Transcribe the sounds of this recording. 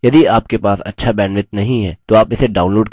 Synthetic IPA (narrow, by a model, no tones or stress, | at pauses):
jɐd̪iaːp̚kepaːsɐ̰tːʃʰabɛ̃ːnʋɪt̪nɐɦĩɦɛːt̪oaːpɪseɖaːʊnloːɖk